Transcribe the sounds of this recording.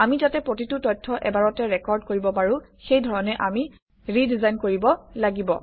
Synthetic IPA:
amitatɛpɹotitʊtɔjtʰːɔʔɛ̰baɹɔtɛɹɛkɔɹd̚koɹibɔpaɹʊxejdʱɔɹɔnɛʔami | ɹidizajnkoɹibɔlaɡibɔ

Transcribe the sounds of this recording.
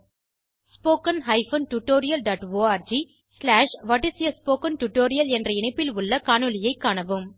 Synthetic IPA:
spoːkɐnɦɐɪfɐnʈuʈːoːɾɪjɐlɖaːʈʋoːaːɾd͡ʒi | slaːʂʋɐʈːɪsɪjɐspoːkɐnʈuʈːoːɾɪjɐlɛndrɐɪɳɐɪpːɪlʊɭːɐkaːɳɯlɪjɐɪkːaːɳɐʋɯm

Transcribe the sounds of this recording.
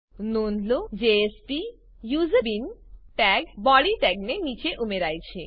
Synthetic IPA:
nonlod͡ʑeesʈi | juzebinʈɛɡ̚bɔɽiʈɛɡnenit͡ɕeʔumeɾajt͡ɕʰe

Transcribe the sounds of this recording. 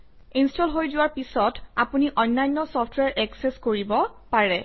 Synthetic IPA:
instɔlɦojzʊwaɹpisɔtapuniʔɔnlajnːɔsɔpʰtʰwɛɹʔɛksɛskoɹibɔpaɹɛ

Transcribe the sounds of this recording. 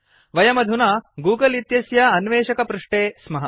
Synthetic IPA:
ʋɐjɐmɐd̪ʱunɐːɡuːɡɐlit̪jɐsjɐɐnʋeːʃɐkɐpɾuʂʈeːsmɐɦɐ

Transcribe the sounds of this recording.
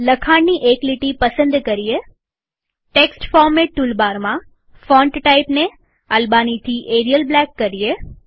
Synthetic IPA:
ləkʰaɳniʔekliʈipəsə̃nd̪kəɾije | ʈeksʈfɔɾmeʈulbaɾmã | fɔ̃ɳʈʈaipne | əlbanit̪ʰiʔeɾijəlblɛkːəɾije

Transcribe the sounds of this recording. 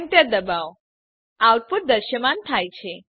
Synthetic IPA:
nt̪jəd̪əbaʋ | aʋt̪̚puɾd̪əɾʃəmant̪ʰajt͡ʃʰe

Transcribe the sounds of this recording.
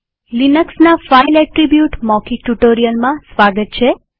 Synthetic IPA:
linəksnafailɛʈɾibjuʈmɔkiʈuʈoɾijəlmãsʋaɡət̪̚t͡ʃʰe

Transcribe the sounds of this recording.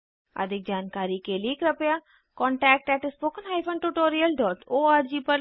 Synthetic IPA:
ə̰d̪ɪk̚d͡ʒaːnkaːɾiːkeliːkɾəpjaː | kɔ̃ːɳʈɛːk̚ʈɛːʈɪspoːkənɦaːɪpʰənʈuʈoːɾiəlɖɔːʈoːaːɾd͡ʒiːpəɾ

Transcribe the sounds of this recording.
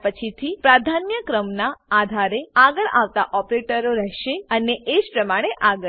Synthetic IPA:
pət͡ʃʰit̪ʰipɾad̪ʱanjəkɾəmnaad̪ʱaɾeaɡəɭa̰ʋt̪a̰ʔɔpɾeʈəɾoɾɛɦʃeəneʔed͡ʒpɾəmaɽ̃eʔaɡə

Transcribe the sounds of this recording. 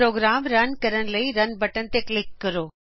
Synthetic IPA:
ɾoːɡɾaːmɾɐnkɐɾəɽ̃ɪ̆lɐiɾɐnbɐʈənɪ̆t̪eklɪkːɐɾoː

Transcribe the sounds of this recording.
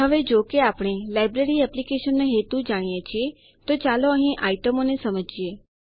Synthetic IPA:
ɦəʋed͡ʒokeapɽ̃elajbɾeɾiɛplikeʃənːeɦet̪ũd͡ʒaɽ̃ijet͡ʃʰie | t̪ot͡ʃaloə̃ɦĩʔaiʈəmonesəməd͡ʒie

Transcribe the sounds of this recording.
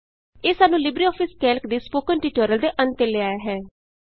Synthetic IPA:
eːsaːnũːlɪbɾiːɔːpʰɪskɛːlkd̪iːspoːkəɳʈiːʈoːɾəld̪eːʔənt̪eːlɪaːeɦɛː

